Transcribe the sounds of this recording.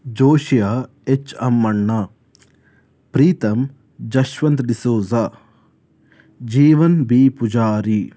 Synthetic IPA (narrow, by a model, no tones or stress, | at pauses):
d͡ʒoːʃija | et͡ʃɐmːɐɳːɐ | pɾiːt̪ɐm | d͡ʒɐʃʋɐnt̪d̪isoːza | d͡ʒiːʋɐnbiːpud͡ʒaːɾi